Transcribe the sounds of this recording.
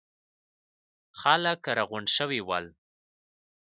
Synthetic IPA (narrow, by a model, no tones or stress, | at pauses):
xaləkɾaɣʊɳʃəwiwa̰l